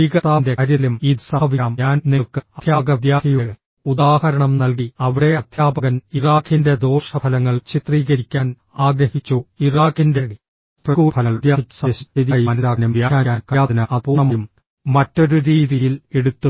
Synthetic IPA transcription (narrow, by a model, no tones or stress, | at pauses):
iɡɐt̪aːnde̞ɐɾilumiːd̪saʋiaːmɲaːnneɭkɨɐjaːɡɐd̪jaːɦijuɐ | ud̪aːhɐɾɐɳɐmnɐlɡiɐʋiɽe̞ɐd̪ʱjaːbɐɣɐniraːkʰːinde̞d̪o̞ːʂɐpʰɐlɐŋːɐɭt͡ɕit̪riːɡɐɾikʲːaːn | aːɡɾɐhit͡ɕːuiraːkːinde̞i | prɐkuːpʰɐlɐɭd̪jaːiːu̥sɐɕiiðijɐnɐðaːɐnumʋjaːjaːaːnkɐjaːinɐɐpoːɳɐmɐum | mɐtːo̞ɾuɾiːðijile̞ɽut̪ːu